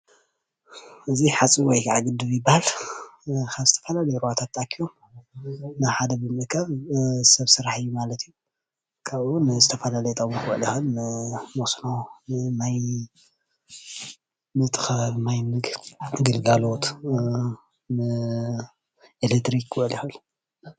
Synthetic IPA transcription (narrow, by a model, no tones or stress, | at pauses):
ʔɨziħat͡sʼiwɔjkʰʕaɡɨd̪ɨβjɪbahal | kʰaβzɨt̪ʰɐfɐlalɐjɾuwat̪ʰat̪ːakʰːijo̞m | nɨħad̪ɐbɨmɨkʰaβsɐβsɨɾaħɨjːumalɐt̪iju | kʰaβwunzɨt̪ʰɐfɐlalɐjɛt̪ʼɐβuxwɔ̰ʕlɐxɨnːɨmosnomaj | nɨt̪ʰɨ̥xɐaβmajmɨɡɡɨlɡalo̞t̪ | nɨ | ʔelet̪ɾikːwlixɐl